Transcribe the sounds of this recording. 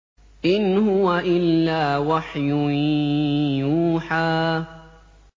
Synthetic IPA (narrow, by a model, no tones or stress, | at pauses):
ʔɪnhʊwaʔɪlːaːwaħjʊ | juːħaː